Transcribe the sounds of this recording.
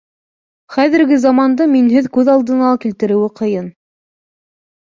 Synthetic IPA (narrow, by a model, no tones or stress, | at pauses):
χæðɘ̆ɾɡɘzɑmɑnd̪ɤminɦɘðkʉðɑlˠd̪ɤ̆nɑlˠkilt̪ɘ̆ɾɘ̆wɘqʰɤ̆jɤn